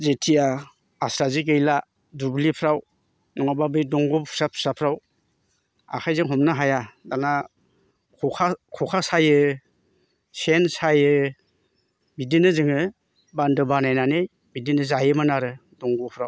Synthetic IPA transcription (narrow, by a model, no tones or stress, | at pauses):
zetʰia | asɾaziɡejla | dublipʰɾaw | nɔŋababɯjdɔŋɡɔpʰu̥sapʰu̥sapʰɾaw | a̰kʰajzɯŋɦɔmnaɦajadana | kʰɔkʰakʰɔkʰasajɯ | sensajɯ | bidinɯzɯŋɯ | bandɯbanajnanej | bidinɯzajɯmanaɾɯdɔŋɡɔpʰɾaw